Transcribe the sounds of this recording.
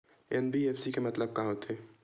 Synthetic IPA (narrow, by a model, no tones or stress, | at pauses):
ɛnbiɛfsikemɐt̪ləb̚kaɦot̪ʰeː